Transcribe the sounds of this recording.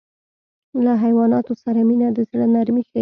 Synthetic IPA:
laɦajwɑnɑt̪osaɾaminad̪əzɽənaɾmixə

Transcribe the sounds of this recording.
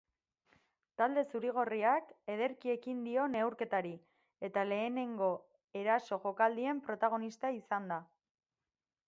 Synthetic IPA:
t̪ald̪e̞suɾiɣ̞o̞riake̞ð̞e̞ɾkie̞kind̪io̞ne̞wɾke̞t̪aɾi | e̞t̪ale̞ːne̞ŋɡo̞ | e̞ɾaso̞ʝo̞kald̪ie̞mpɾo̞t̪aɣ̞o̞nist̪aisand̪a

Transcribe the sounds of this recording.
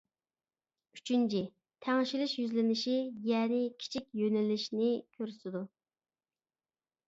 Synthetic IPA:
y̥t͡ʃʰynt͡ʃʰi | t̪ʰɛŋʃilɪʃjyzlɪnɪʃijɛːnɪkʲʰi̥t͡ʃʰik̚ʲjønɪlɪʃnɪkʲʰøɾysɪd̪u

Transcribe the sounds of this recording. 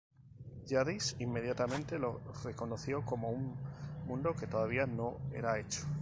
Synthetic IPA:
ʝaðisimːe̞ðjat̪amẽnt̪e̞lo̞re̞ko̞no̞θjo̞ko̞moummũnd̪o̞ke̞t̪o̞ðaβ̞iano̞e̞̰ɾae̞t͡ʃo̥

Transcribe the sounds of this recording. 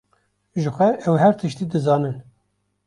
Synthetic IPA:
ʒɨxʷɛʔɛwhɛɾt̪ʰɨʃt̪iːd̪ɨzɑːnɨn

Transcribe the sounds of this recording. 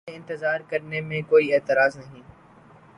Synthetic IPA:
ɪ̃nt̪ɪzaːɾkəɾnemẽkoːieːt̪ɪɾaːznɐɦĩː

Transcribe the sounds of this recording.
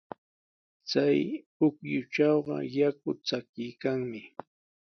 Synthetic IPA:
t͡saj | ʊkjʊt͡ʃɑwɢɑ̰jak̚ʊt͡sakɪjkaŋmɪ

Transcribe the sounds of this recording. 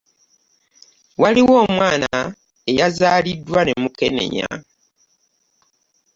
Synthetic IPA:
waliwo̞ːmwaːna | e̞jazaːlidːwane̞muke̞ne̞̰ɲa̰

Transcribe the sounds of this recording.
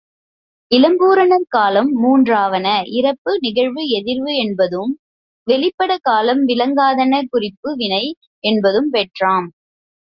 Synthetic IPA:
ɪlɐmbuːɾɐnɐɾkaːlɐmːuːndraːʋɐnɐʔɪɾɐpːɯnɪɣɐɻʋɯɛðɪɾʋɯɛnbɐðɯm | ʋɛɭɪpːɐɽɐkaːlɐmʋɪlɐŋɡaːðɐnɐkʊrɪpːɯʋɪnɐɪ | ɛnbɐðɯmpɛʈraːm

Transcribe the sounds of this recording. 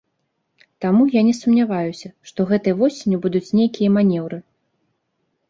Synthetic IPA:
t̪amujanʲɛsumnʲavajusʲɐʂt̪ɔɣɛt̪ɨjɐvɔsʲɪnʲibud̪ut͡sʲnʲejkʲijɐmanʲɛwɾɨ

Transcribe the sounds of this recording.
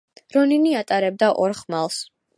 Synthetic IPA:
ɾɔniniat̪ʼaɾɛb̚d̪aʔɔɾχmalˠs

